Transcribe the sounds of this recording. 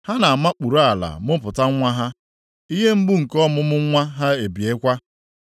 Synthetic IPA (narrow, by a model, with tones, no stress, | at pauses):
ha˦na˨a˨ma˦k͡pu˨ɾo˦a˨la̰˨mʊ˦pʊ˨ta˦ŋ˦ŋʷa˦ɦa˦ | i˦ɦe˦m̩˦ɡ͡bu˦ŋ̩˨kɔ˦mʊ˦mʊ˦ŋʷa˦ɦa˦e˨bi˨e˦kʷa˦